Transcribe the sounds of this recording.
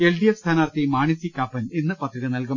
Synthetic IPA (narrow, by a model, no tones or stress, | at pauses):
elɖijefst̪ʰaːnaːrt̪imaːɳisikːaːpːɐninːɨpɐt̪ːriɾɨnɐlkum